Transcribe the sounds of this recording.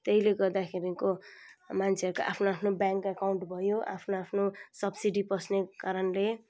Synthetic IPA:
t̪eileɡʌrd̪akʰeɾikomant͡sʰeʌɾuka̰ʔa̰pʰnoapʰnobjaŋkakawɳʈbʱʌjoʔa̰pʰnoapʰnosʌbsiɖipʌsnekaɾʌnle

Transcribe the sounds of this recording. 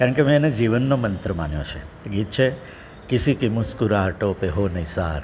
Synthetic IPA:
kaɾəɳkemɛ̃ened͡ʒiʋənːomənt̪ɾəmanjõ̰t͡ʃʰe | ɡit̪t͡ʃʰe | kisikimuskuɾaːɾʈopeɦonəjsaɾ

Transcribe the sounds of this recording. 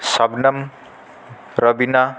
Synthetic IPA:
sʌbnʌm | rʌbina

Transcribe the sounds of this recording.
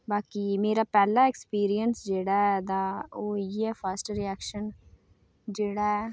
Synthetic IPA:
baːkiːmeːɾaːpɛːlaːɛkspiːɾijənsd͡ʒeːɽaːɛd̪aːoːiɛːfʰəsʈɾiɛːkʃən | d͡ʒeːɽaːɛː

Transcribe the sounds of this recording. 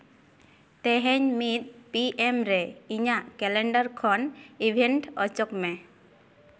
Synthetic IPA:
t̪ɛɦɛɲmit̪̚piʔemɾɛiɲaʔkɛleɳɖaɾkʰɔnibʱeɳʈɔt͡ʃɔkmɛ

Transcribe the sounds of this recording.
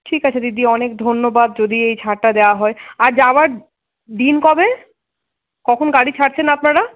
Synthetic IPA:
ʈʰikat͡ɕʰed̪id̪iɔnek̚d̪ʱonːobad̪̚d͡ʑod̪iejt͡ɕʰaɾʈad̪eoaɦɔeaɾd͡ʑabaɾ | d̪inkɔbe | kɔkʰonɡaɽit͡ɕʰaʈt͡ɕʰenapnaɽa

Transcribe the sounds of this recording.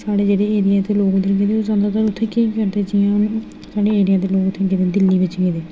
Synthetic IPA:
saːɽeːd͡ʒeːɽeːeːɾijaːt̪eːloːɡd̪əɾɡeːd̪eːoːzãːnd̪aːt̪əɾʊt̪ʰːeːkiːkəɾd̪eːt͡ʃɪãn | saːɽeːeːɾɪjãːt̪̬eːloːkt̪ʰːeːɡeːd̪eːd̪ɪlːiːʋɪt͡ʃɡeːd̪eː

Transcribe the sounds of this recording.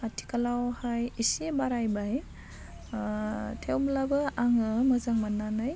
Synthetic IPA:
atʰi̥kalawhajisebaɾajbaj | tʰewmlabɯaŋɯmazaŋmanːanaj

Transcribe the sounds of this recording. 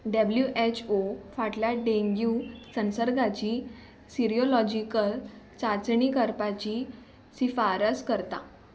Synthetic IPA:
ɖəbljuʔet͡ɕʰofaʈljaɖeŋɡiusənsəɾɡat͡ɕiː | siɾiolɔd͡ʑikəlt͡sat͡sɳikəɾpat͡ɕi | sifaɾəskəɾt̪a̰

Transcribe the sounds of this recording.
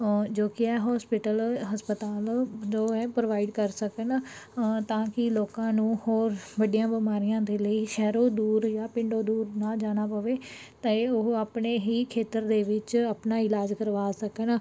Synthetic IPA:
d͡ʒoːkɪɛːɦɔːspɪʈəlɦəspət̪aːld͡ʒoːɛːpɾoʋaːɪɖkəɾsəkən | t̪ãːkɪloːkãːnũːhoːɾʋəɖijãːbɪmaːɾijãːd̪eːləiːʃɛːɾoːd̪uːɾjaːpɪ̃ɳɖoːd̪uːɾnaːd͡ʒaːñaːpəʋeː | t̪ẽoaːpneːɦiːkʰeːt̪əɾd̪eːʋɪt͡ʃəpnaːɪlaːd͡ʒkəɾʋaːsəkən

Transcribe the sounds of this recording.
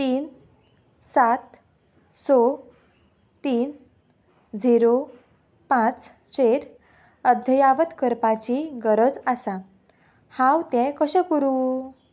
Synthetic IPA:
t̪iːn | sat̪ | so | t̪iːn | d͡ziɾo | pãt͡s | t͡ɕeɾ | əd̪ʱjəjaʋət̪kəɾpat͡ɕiɡəɾəd͡zasa | hãwt̪ɛ̃kəɕə̃kəɾu

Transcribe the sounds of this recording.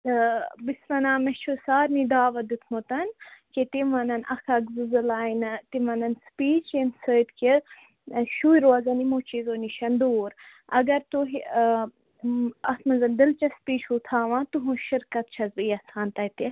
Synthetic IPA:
t̪ɐbisʋɐnãːmɐt͡ʃʰusaːɾnid̪aːʋɐd̪ut̪ʰmot̪ɐnket̪imɐnɐnɐxʰɐɡzɨzɐlaːint̪imɐnɐnspiːt͡ʃensəːt̪ke | ʃuːiɾoɐzɐnimoːt͡ʃiːzoːniʃɐnd̪uːɾ | ɐ̰ɡɐɾt̪uɦi | ɐsʰmɐnzɐnd̪ilt͡ʃɐspiːt͡ʃut̪ʰaːʋãːt̪uɦũʃiɾkɐt̪̚t͡ʃʰɐzbɨjɐsaːnt̪ɐjt̪e

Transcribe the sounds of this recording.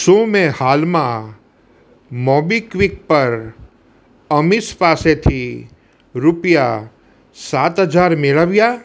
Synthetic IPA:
sõːmẽhaːlmã | mɔːbikʋɪk̚pɐɾ | əmɪspaːset̪ʰi | ɾʊpja | saːt̪ɦɐd͡ʒaːɾmeləʋjaː

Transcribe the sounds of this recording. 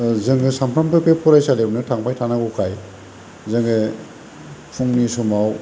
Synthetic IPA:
zɯŋɡɯsampʰɾampʰepʰepʰɔɾajsalebnɯtʰaŋpʰajtʰanaɡukʰaj | zɯŋɡɯ | pʰuŋnisumaw

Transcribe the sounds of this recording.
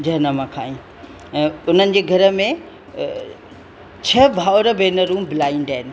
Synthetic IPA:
d͡ʑɐɦnəmãkʰaːĩ | ɛ̃ːʊn̤ənɪ̆d͡ʑeːɡʱɐɾə̆mẽ | t͡ɕʰɐbʱaːʊɾəbeːnəɾũːmbɪlaːinɖaɦɪnɪ̆

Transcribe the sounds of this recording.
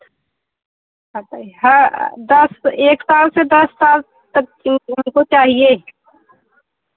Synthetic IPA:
ɦabaiɦəd̪əseːksaːlsed̪ɐsːaːl | t̪ək̚ɪɦmkot͡ʃaːɦie

